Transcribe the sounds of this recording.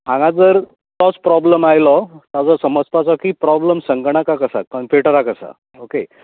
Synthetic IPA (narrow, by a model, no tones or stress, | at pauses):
ãŋɡãd͡zəɾ | t̪ɔt͡spɾɔbləmajlɔt̪ad͡zɔsəməd͡zpat͡sɔkipɾɔbləmsəŋɡɳakakəsa̰kəɳpʰeʈəɾakəsa̰ | oke